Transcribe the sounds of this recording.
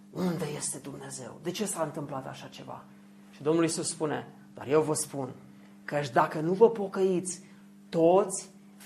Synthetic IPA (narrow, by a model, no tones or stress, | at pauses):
und̪e̞je̞st̪e̞d̪umne̞ze̞̰wd̪e̞t͡ʃe̞saɨnt̪ɨmplat̪a̰ʃat͡ʃe̞̰va̰ | ʃid̪o̞mnulisusspune̞̰ | d̪̥a̰rje̞wvəspun | kət͡ʃʲd̪akənuvəpo̞kəit̪sʲ | t̪o̞t̪sʲ